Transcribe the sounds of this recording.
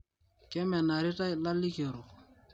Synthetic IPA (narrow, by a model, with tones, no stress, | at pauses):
kɛ˦mɛ˨na˨ɾɪ˦ta˦˨la˦lːi˦ke˨ɾu˨